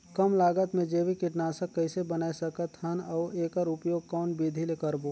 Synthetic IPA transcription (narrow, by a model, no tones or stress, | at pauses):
kəmlaːɡət̪mẽd͡ʒeːʋikɪʈnaːsəkːɐɪsebənaːesɐkət̪hɐnɐʊeːkəɾʊpjoːɡ̚kɔːnbid̪ʱilekəɾboː